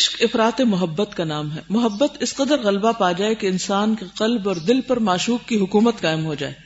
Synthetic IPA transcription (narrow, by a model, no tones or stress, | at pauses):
ʃkɪfɾaːt̪emʊɦəbːət̪kanaːmɦɛmʊɦəbːət̪ɪsqɐd̪əɾɣɐlbapaːd͡ʒaːekeɪnsaːnkeqɐlbɔːɾd̪ɪlpɐɾmaːʃuːk̚kiɦʊkuːmət̪qaːɪmɦod͡ʒa̰ːḛː